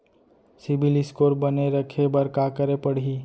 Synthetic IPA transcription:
sɪbiliskoɾbəneɾəkʰebəɾkakəɾepəɽ̤i

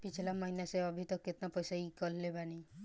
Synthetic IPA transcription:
pit͡ʃʰilamɔɦinaseabʱit̪ɔket̪napɔjsaikɔllebani

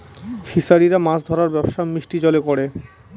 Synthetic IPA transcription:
fʰisaɾiɾamãsd̪ʱɔɾaɾbɛboʃamɾiʃʈid͡ʑɔlekoɽe

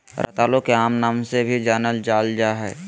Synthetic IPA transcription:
ɾʔɐ̰t̪aːlõkeaːmnaːmsebʱid͡ʒaːnəld͡ʒaːld͡ʒaɦɛ̰ː

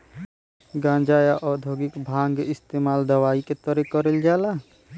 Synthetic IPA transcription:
ɡãːnd͡ʒaːjaʔɔd̪ʱoːɡɪkbʱãːŋɡɪst̪eːmaːld̪əwaːiket̪ɔɾɛkɔɾeld͡ʒaːla

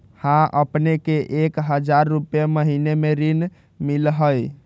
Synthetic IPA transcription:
hãʔəpnekeʔekɦəd͡ʒaɾːupjeməɦinemeɾin | milɦəj

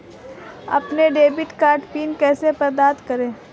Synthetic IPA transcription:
ɐ̰pneɖeːbɪʈkaːɾʈpiːnkɛːsepɐɾd̪aːt̪kɐɾẽː

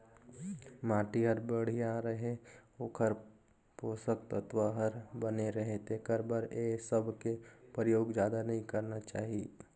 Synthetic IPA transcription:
maːʈiɦəɾbəɽ̤ijãɾəɦẽoːkʰəɾ | poːsəkt̪ət̪ʋaɦəɾbəneɾɐɦẽt̪ekəɾbəɾesəbkepɾɪjoːɡd͡ʒjaːd̪anɐɦĩkɐɾnat͡ʃaːɦieː

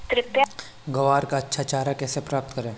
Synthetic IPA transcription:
t̪ɾɪt̪ja | ɡɐʋaːɾkaɐtːʃʰat͡ʃaːɾakɛːsepɾaːp̚t̪kɐɾẽː

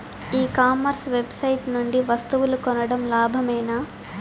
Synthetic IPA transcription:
iːkaːmɐɾsʋe̞bsɐjʈnuɳɖiʋɐst̪uʋulukɔnɐɽɐmlaːbʱɐmɛːnaː

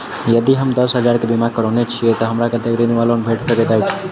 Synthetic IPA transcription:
jəd̪iɦəmd̪əsɦəd͡ʒaɾkebimakəɾɔnet͡ʃʰijet̪əɦəmɾaket̪eɡɾinuʋalonbʱeʈsəkɛt̪ait͡ʃʰi̥

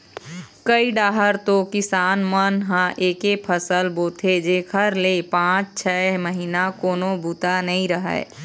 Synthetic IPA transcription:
kəiɖaːɦəɾt̪okɪsaːnmənɦãʔeːkepʰəsəlboːt̪ʰed͡ʒeːkʰəɾlepãːt͡ʃt͡ʃʰɛːməɦinakoːnobʱut̪anəĩɾəɦɛ̰ː

